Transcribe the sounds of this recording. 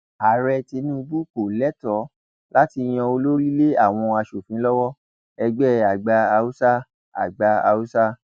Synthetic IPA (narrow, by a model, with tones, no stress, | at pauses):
a˨ɾɛ˧ti˧nũ˦˧bu˦ko˨lɛ˨˦tɔ˨˦ | la˦ti˧j̃ã˧o˧lo˦ɾi˦le˦a˦˨w̃ɔ̃˧a˧ʃo˨fĩ˨˦lɔ˦wɔ˦ | ɛ˧ɡ͡bɛ˦a˨ɡ͡ba˧a˧u˦sa˦ | a̰˨ɡ͡ba˧a̰˧u˦sa˦